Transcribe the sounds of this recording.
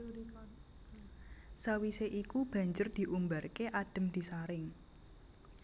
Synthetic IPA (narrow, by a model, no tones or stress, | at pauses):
sawiseʔikub̥ä̤ɲd͡ʒʊrd̪̥i̤ʔumbarkeʔaɖ̥ə̤md̪̥i̤saɾɪŋ